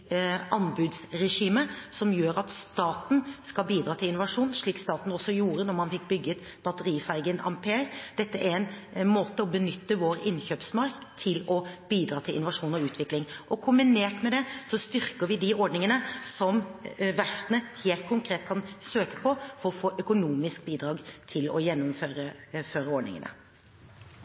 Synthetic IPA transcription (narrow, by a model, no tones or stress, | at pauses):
ɑnbʉːd̪sɾɛʂiːməsɔmjøːɾɑt̪st̪ɑːt̪n̩skɑlbiːd̪ɾɑːt̪ʰɪlɪnʊʋɑʂuːnʂɭiːkst̪ɑːt̪n̩ɔsːɔjuːɾənɔɾmɑnfɪk̚bʏɡːəɛt̪ | b̥ɑt̪əɾiːfæɪɡənɑ̰mpʰeːɾd̪̥ɛt̪ːəʔæɾɛɪnmoːt̪əɔbənʏt̪ːəʋoːɾɪnçøːpsmɑɾkt̪ʰɪlɔb̥iːd̪ɾɑːt̪ʰɪlʔɪ̰nʊʋɑʂuːnɔʉːt̪ʰʋɪklɪŋʔɔkʰʊmbɪneːʈmɛd̪ɛsɔst̪ʏɾkəɾʋɪd̪ɪɔɖnɪŋənəsɔmʋæʂt̪ənəheːlt̪̚kʰʊŋkʰɾeːt̪̚kʰɑnsøːkə̥pʰɔfɔɾɔfoːʔœkʊnuːmɪsk̚biːd̪ɾɑːɡt̪ʰɪlɔ̰jɛnːʊmføːɾəføːɾəɔɖnɪ̰ŋə̰nə̰